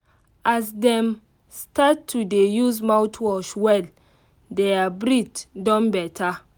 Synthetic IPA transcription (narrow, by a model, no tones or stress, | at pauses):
asdɛ̃m | statʰːudejuzmawtʰwɔʃwɛl | dɛabɹitdɔ̃nbɛtʰa